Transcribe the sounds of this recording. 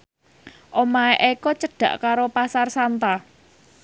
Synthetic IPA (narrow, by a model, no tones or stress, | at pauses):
ʔomaeʔekɔt͡ʃəɖ̥ä̤ʔkaɾopasarsant̪a